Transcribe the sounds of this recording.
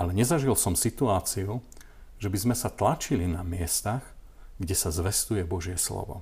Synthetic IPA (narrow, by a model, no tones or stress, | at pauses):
alɛɲɛzaʒilsɔmsit̪uaːt͡siu | ʒɛbizmɛsat̪lat͡ʃilinamɪɛst̪aɣ | ɡɟɛsazʋɛst̪ujɛbɔʒɪɛslɔ̰ʋɔ̰